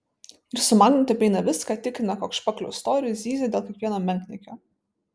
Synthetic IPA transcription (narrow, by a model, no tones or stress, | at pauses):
ɪɾsʊmɑːɡʲnʲɪnt̪ʲɪɐpʲɛɪnɐʋʲɪskɑːt̪ʲɪkɾʲɪnɐkoːkʃpʲɐklʲo̰ʊst̪oːɾʲɪjuzʲiːzʲed̪ʲeːlˠkʲiɛkʋʲiɛnoːmʲɛŋʲkʲnʲɪkʲoː